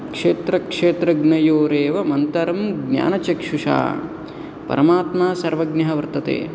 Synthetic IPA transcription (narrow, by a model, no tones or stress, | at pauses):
kʂeːt̪ɾɐkʂeːt̪ɾɐɡnɐjoːɾeːʋɐmɐnt̪ɐɾɐmɡnja̰ːnɐt͡ʃɐkʂuʂa̰ː | pɐ̰ɾɐmaːt̪maːsɐɾʋɐɡnɐɦɐʋɐɾt̪ɐt̪ḛː